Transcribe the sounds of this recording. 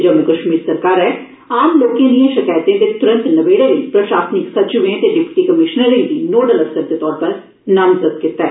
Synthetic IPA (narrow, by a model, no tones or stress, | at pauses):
d͡ʒəmũkəʃmiːɾsəɾkaːɾɛː | aːmloːkẽːd̪ijẽːʃɪkaːjt̪ẽːt̪eːt̪ʊɾə̃nt̪nəʋeːɽeːiːpɾəʃaːsnɪksət̪d͡ʒʊʋẽːt̪eːɖɪpʈiːkəmɪʃnəɾəiːd̪iːnoːɖələstəɾd̪eːt̪ɔːɾpəɾ | nəmzəd̪̚kɪt̪ːɛː